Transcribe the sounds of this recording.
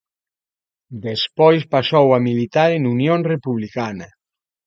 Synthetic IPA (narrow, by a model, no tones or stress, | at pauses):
d̪espɔjspasowamilit̪aɾenunjõnrepuβlikanɐ